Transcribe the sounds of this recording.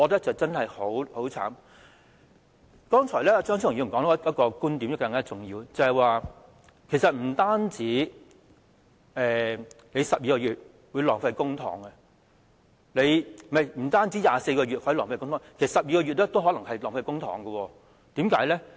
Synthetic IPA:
ɔː˨˧lɛː˥t͡sɐ˨wt͡sɐ˥nhɐ˨jho˨˥who˨˥wt͡sʰa̰ː˨˥m | kɔː˥ŋt͡ʃʰɔː˨˩jlɛː˥˧t͡sœː˥ŋʰ˥˨˩i˨˧m̩˨˩kɔː˨˧˥n˥˧˥ɐ˥t̚kɔː˧kuː˥nt̪i˨˥mjɐ˨˧wkɐ˧ŋkaː˥t͡sʊ˨ŋjḭː˧wt͡sɐ˨˩hɐ˨jwaː˨˧ | kʰe˨˩sɐ˨t̚m̩˨˩t̪aː˥nt͡siː˨˥ | ɛː˨ne˨˧jsɐ˨p̚jiː˧kɔː˧jyː˨t̚ | wu˨˧jlɔː˨˩ŋfɐ˧jkʊ˥ŋt̪ʰɔ̰ː˨˩ŋɛ˧ | le˨˧jmɐ˨jm̩˨˩t̪aː˥nt͡siː˨˥jaː˨se˧jkɔː˧ɥyː˨t̚hjlɔː˨˩ŋfɐ˧jkʊ˥ŋt̪ʰɔː˨˧˦kʰe˨˩sɐ˨sɐ˨p̚jiː˧kɔː˧ɥy˨t̚lɛː˥t̪o˥wɦɔː˨˥lɐ˨˩ŋhɐ˨jlɔː˨˩ŋfɐ˧jkʊ˥ŋt̪ʰɔː˨˩ŋɡɐ˧wɔː˧ | t̪iː˨˥mkaː˨˥jlɛ˥

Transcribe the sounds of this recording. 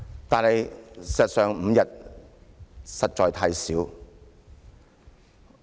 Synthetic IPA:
t̪aː˨nhɐ˨jsɐ˨t̚sœː˨ŋm̩ː˨˧jɐ˨t̚ | sɐ˨t̚t͡ʃɔː˨jt̪ʰɐ˨˧jsiː˨˥w

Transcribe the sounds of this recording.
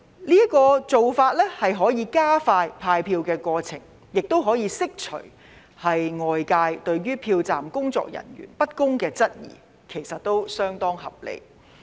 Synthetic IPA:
liː˥kɔː˧t͡so˨wfaː˧t̚lɛː˥hɐ˨jɦɔː˨˥jiː˨˧kaː˥faː˧jpʰaː˧jpʰiː˧wkɛː˧kɔː˧t͡sʰɪ˨˩ŋ | jɪ˨k̚t̪o˥wɦɔː˨˥jiː˨˧sɪ˥k̚t͡ʃʰɵ̰˨˩ɥ | hɐ˨jŋɔː˨jkaː˧jt̪ɵ˧ɥɥyː˥pʰiː˧wt͡sa̰ː˨mkʊ˥ŋt͡sɔ̰ː˧k̚jɐ̰˨˩nɥy̰ː˨˩npɐ˥t̚kʊ˥ŋkɛː˧t͡sɐ˥t̚jḭː˨˩ | kʰe˨˩jsɐ˨t̚t̪o˥wsœː˥ŋt̪ɔː˥ŋhɐ˨p̚lḛ˨j

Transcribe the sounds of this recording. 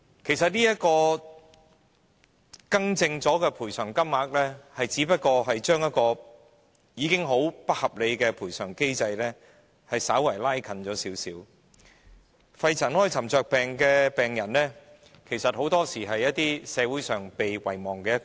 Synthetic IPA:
kʰe˨˩jsɐ˨t̚niː˥jɐ˥t̚kɔː˧ | kɐ˥ŋt͡sɪ˧ŋt͡sɔː˨˥kɛː˧pʰuː˨˩jsœː˨˩ŋkɐ˥mːaː˨˥k̚lɛː˥hɐ˨jt͡siː˨˥pɐ˥t̚kɔː˧ɦɐ˨jt͡ʃœː˥ŋjɐ˥t̚kɔː˧ | jiː˨˧kɪ˥ŋɦo˨˧˥wpɐ˥t̚hɐ˨p̚le˨˧jkɛː˧pʰuː˨˩jsœː˨˩ŋke˥jt͡sɐ˧jlɛː˥ | hɐ˨jsaː˨˥wɐ˨˩jlaː˥jkʰɐ˨˧nt͡ʃɔː˨˥siː˨˥wsiː˨˥w | fɐ˧jt͡sʰɐ˨˩nhɔː˥jt͡sʰɐ˨˩mt͡sœː˨k̚pɛː˨˩ŋkɛː˧pɛː˨˩ŋjɐ˨˩nlɛː˥ | kʰe˨˩jsɐ˨t̚ho˨˥wt̪ɔː˥siː˨˩ɦɐ˨jːɐ˥t̚t̪iː˥sɛː˨˧wu˨˥jsœː˨ŋpe˨jwɐ˨˩jmɔː˨˩ŋkɛː˧jɐ˥k

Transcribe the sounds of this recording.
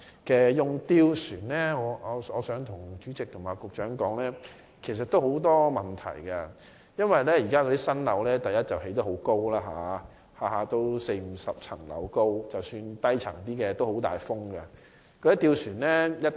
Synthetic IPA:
kɛː˨jʊ˨˩ŋt̪iː˧wsyː˨˩nlɛː˥ŋɔː˨˧ɔ˨˧ɔː˨˧sœː˨˥ŋt̪ʰʊ˨˩ŋt͡ʃyː˨˥t͡sɪ˨k̚t̪ʰʊ˨˩ŋmaː˨˧kʊ˨k̚t͡ʃœː˨˥ŋkɔː˨˥ŋlɛː˥ | kʰe˨˩js̬ɐ˨t̪ːo˥who˨˥wt̪ɔː˥mɐ˨˩nt̪ʰɐ̰˨˩jkɐ˧ | jɐ˥nwɐ˨jlɛː˥jiː˨˩kaː˥kɔ˧t̪iː˥sɐ˥nlɐ̰˨˧wlɛː˥t̪ɐ˨˩jɐ˥t̚t͡sɐ˨whe˨˥jt̪ɐ˥ho˨˥wko˥wlaː˥ɦa̰ː˨˧ | haː˨˩haː˨˧t̪o˥wse˧jm̩˨˩sɐ˨p̚t͡sʰɐ˨˩ŋlɐ̰˨˧wko˥wt͡sɐ˨wsyː˧nt̪ɐ˥jt͡sʰɐ˨˩ŋt̪̬iː˥kɛː˧t̪o˥who˨˥wt̪a̰ː˨jfʊ˥ŋɡɐ˧ | kɔː˧ɾi˥t̪iː˧wsyː˨˩nlɛː˥jɐ˥t

